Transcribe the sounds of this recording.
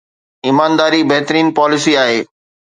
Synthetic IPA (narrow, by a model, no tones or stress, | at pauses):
ɪmaːnd̪aːɾibɐɦt̪ɾiːnpaːlɪsiaːɦeː